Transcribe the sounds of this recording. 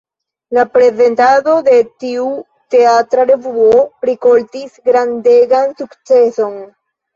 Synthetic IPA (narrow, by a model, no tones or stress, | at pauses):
lapɾe̞ze̞ntado̞de̞tiu | te̞atɾaɾe̞vuoopɾiko̞ltisɡɾandeɡansukt͡se̞so̞n